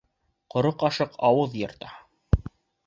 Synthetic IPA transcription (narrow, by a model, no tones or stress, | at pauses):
qŏɾoqɑʃɤqʰɑwɤðjɤ̆ɾt̪ɑ